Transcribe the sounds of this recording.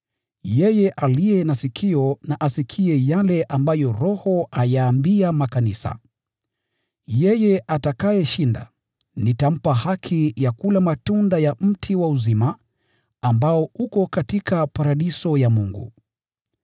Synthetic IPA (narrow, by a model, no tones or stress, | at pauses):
jɛjɛʔalijɛnasikʰiɔnaʔasikʰiɛjalɛʔambajɔɾɔhɔajaːmbiamakanisa̰ | jɛjɛʔatakajɛʃinda̰ | nitam̩pahakʰijakulamatundajam̩tʰiwauzima | ambaɔukɔkatikʰapaɾaɗisɔjamuŋɡṵ